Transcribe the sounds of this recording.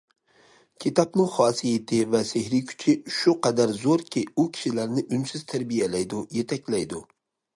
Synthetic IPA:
kʲʰit̪ʰɑpnɪŋχɑːsijet̪ʰɪvɛsehɾɪkʲʰy̥t͡ʃʰɪʃʊqɑd̪æɾzoɾkʲʰiʊkʲʰi̥ʃilæɾnɪʔynsɪz̥t̪ʰæɾbijɛlæjd̪ʊjet̪ʰɛkʲlæjd̪ʊ

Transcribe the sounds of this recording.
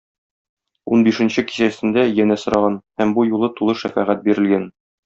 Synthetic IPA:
unbiʃɘ̆nɕɘki̥ɕæsɘ̆nd̪æjænæsŏɾɑʁɑnhæmbujulˠɤt̪ulˠɤʃæfæʁæt̪̚biɾɘ̆lɡæn

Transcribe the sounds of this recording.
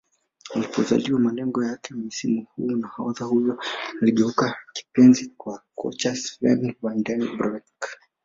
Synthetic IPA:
alipɔza̰liwamalɛŋɡɔjakɛmisimuhunahaɔðahujɔnaliʄɛukaki̥pɛnzikwakɔ̰t͡ʃasɛnwandɛnbɾɛk

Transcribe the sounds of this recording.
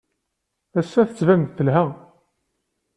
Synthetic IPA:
æsːæθə̥t͡sːvæmðθəlɦæ

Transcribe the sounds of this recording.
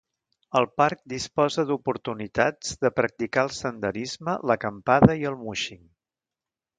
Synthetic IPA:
əlˠpaɾk̚d̪ispɔzəd̪upuɾt̪unit̪ad͡zd̪əpɾək̚t̪ikaəlˠsənd̪əɾizmələkəmpaðəiəlˠmuʃiŋ

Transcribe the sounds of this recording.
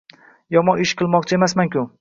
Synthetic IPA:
jɒmɒnɪʃqʰɨlˠmɒqt͡ʃʰae̞masmaŋkʲʰʊ

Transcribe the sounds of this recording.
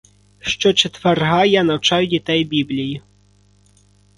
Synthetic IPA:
ʂt͡ʂɔt͡ʂɛt̪varɣajanɐwt͡ʂajudʲit̪ɛjbʲiblʲiji

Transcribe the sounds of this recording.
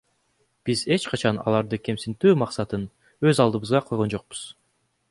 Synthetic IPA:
b̥ize̞t͡ʃqɑt͡ʃɑnɑ̰lˠɑɾd̪ɯke̞msint̪yːmɑqsɑt̪ɯn | ø̞zɑlˠd̪ɯβɯzʁɑqʰo̞jʁo̞nd͡ʒo̞q̚bu̥z̥

